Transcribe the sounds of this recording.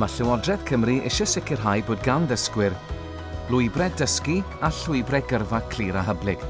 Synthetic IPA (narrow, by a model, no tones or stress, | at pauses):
maɬɪwɔdrɛð̥kʰəmriʔɪ̰ʃɔsɪkʰɪrɦajboːd̚ɡawnðəskwɪr | lˠʊɨbrɛdəski | aɬʊɨbrɛɡərvakʰl̥iːɾaɦəblɪɡ̥